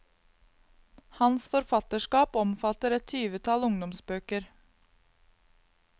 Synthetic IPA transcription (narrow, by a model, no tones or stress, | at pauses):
hɑnsfɔɾfɑt̪əʂkɑːpɔmfɑt̪əɾɛt̪ʰyːʋət̪ʰɑlʊŋd̪ɔmsbøːkəɾ